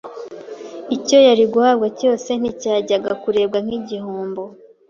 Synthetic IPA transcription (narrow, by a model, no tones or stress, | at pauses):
ico̞jaɾiɡuhaːbɡaco̞ːse̞n̥icaːɟaɡakuɾe̞ːbɡaŋ̥iɟihuːmbo